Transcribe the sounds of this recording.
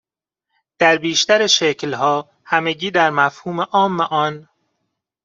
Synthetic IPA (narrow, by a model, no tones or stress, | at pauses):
d̪̥æɾbiːʃt̪æɾeʃeclhɒː | hæmeɟiːd̪æɾmæfhuːme̞ʔɒːmːeʔɒːn